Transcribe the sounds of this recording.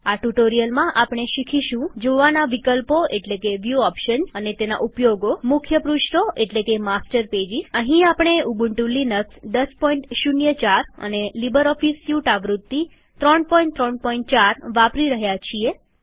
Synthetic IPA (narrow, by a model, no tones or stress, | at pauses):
aʈuʈoɾijəlmãʔapɽ̃eʃikʰiʃũd͡ʒoʋanaʋikəlpoʔeʈlekeʋjuɔpʃənsənet̪ena̰ʔupjoɡomʊkʰjəpɾuʃʈoʔeʈlekemasʈəɾped͡ʒisəɦĩapɽ̃euɡuɳʈulːinəksd̪əspɔĩɳʈʃunjət͡ʃaɾə̰nelibəɾɔfisjuʈaʋɾut̪ːi | t̪ɾɔɳpɔĩɳʈt̪ɾɔɳpɔĩɳʈ̚t͡ʃaɾʋapɾiɾəɦjat͡ʃʰie